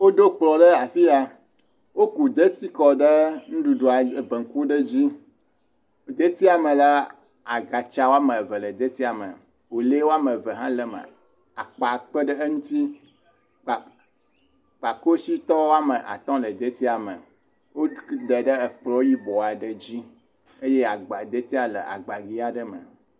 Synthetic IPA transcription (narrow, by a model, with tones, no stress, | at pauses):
wo˦ɖo˦k͡plɔ˨ɖə˦a˨fi˦a˨ | wo˦ku˨d̪e˦t̪i˦kɔ˨ɖə˦ŋũ˦ɖu˨ɖo˨a˨bə˨ŋ̩˦ku˦ɖə˦d͡ʑi˦ | d̪e˦t̪i˦a˨mə̃˨la˦ | a˨ɡa˨t͡ʃa˨wo˦a˦mə˨və˨lə˨d̪e˦t̪i˦a˨mə̰˨ | wo˨le˦wo˦a˦mə˨və˨ɦã˦lə˦mə̰˨ | a˨k͡pa˨k͡pə˦ɖə˦ŋũ˦t̪i˦˨ | k͡pa˨ko˦si˦t̪ɔ˦wo˦a˦mə˨ʔa̰˨t̪ɔ̃˦lə˨d̪ə˦t̪i˦a˨mə̰˨ | wo˦d̪ə˨ɖə˦ə˨k͡plɔ˦wo˦ji˦bɔ˨a˨ɖə˦d͡ʑi˦ | e˦je˦a˨ɡ͡ba˨d̪e˦t̪i˦a˨lə̰˨ʔa̰˨ɡ͡ba˨ɡi˦a˨ɖə˦mə̰˨